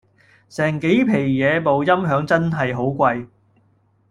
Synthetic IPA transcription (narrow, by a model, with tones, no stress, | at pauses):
sɛː˨˩ŋke˨˥jpʰe˨˩jjɛː˨˧mo˨wjɐ˥mɦœː˨˥ŋt͡sɐ˥nɦɐ˨jɦo˨˥wkʷɐ˧j